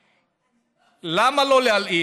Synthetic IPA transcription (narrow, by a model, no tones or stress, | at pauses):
lamaloleali